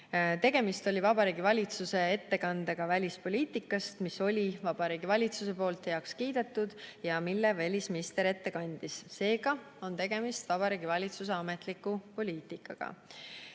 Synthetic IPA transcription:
t̪e̞ɡ̥e̞mist̪o̞lʲivɑbɑɾiːɡivɑlʲit̪suse̞e̞t̪ːe̞kɑnd̪̥eɡ̥ɑvælʲispo̞lʲiːt̪ːˑikːˑɑst̪miso̞lʲivɑb̥ɑɾiːɡ̥ivɑlʲit̪suse̞po̞ːlt̪heɑkskiːd̪̥e̞t̪ːˑud̪̥jɑmilːevælʲisminist̪e̞ɾe̞t̪ːe̞kɑnʲd̪̥isse̞ːɡɑ | o̞nt̪e̞ɡ̥e̞mist̪vɑb̥ɑɾiɡ̥ivɑlʲit̪sus̬e̞ɑme̞t̪likːˑupo̞lʲiːt̪ˑikːˑɑ̰ɡ̥ɑ̰

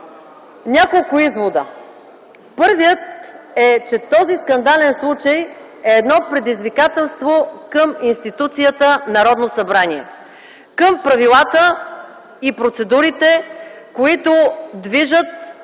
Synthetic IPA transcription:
nʲakolˠkʊizvod̪ə | pɤɾvijət̪ɛt͡ʃɛt̪ɔziskɐnd̪alɛnslˠut͡ʃəj | ɛːd̪nɔpɾɛd̪izvikat̪ɛlˠst̪vokɤminst̪it̪ut̪sijət̪ənɐɾɔd̪nosɐbɾanʲiɛ | kəmpɾɐvilˠat̪ə | ipɾot̪sɛd̪uɾit̪ɛ | koit̪ʊd̪viʒət̪̚

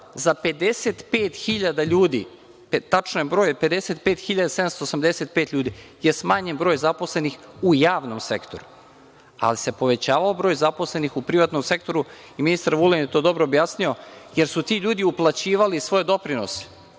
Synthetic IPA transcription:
zape̞d̪eseːt̪peːt̪xiʎad̪aʎuːd̪ḭ | pet̪at͡ʃnojebɾo̞ːjpe̞d̪eset̪peːt̪xiʎad̪asd̪amst̪oːsamd̪eset̪̚peːt̪ʎʲuːd̪i | jesmaɲenbɾojzapo̞sle̞nixujaːʋno̞msekt̪o̞ɾu | a̰lise̞po̞ʋe̞t͡ɕaːʋaobɾoːjzapo̞sle̞nixupɾiʋat̪nomse̞kt̪o̞ɾu | iminist̪aɾʋulenjet̪oːd̪o̞bɾoːbjaːsnio̞je̞ɾsut̪iʎuːd̪iuplˠat͡ɕiːʋalisʋo̞jed̪o̞pɾinose̥

